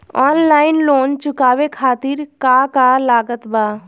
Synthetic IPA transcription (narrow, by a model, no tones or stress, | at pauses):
ɔːnlaːɪnloːnt͡ʃʊkaːwekʰaːt̪ɪɾkaːkalaːɡət̪baː